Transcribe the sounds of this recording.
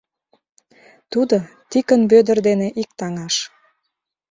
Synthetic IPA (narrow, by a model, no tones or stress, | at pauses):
t̪ud̪o | t̪ikənbød̪ə̆rd̪eneʔik̚t̪ɑŋɑʃ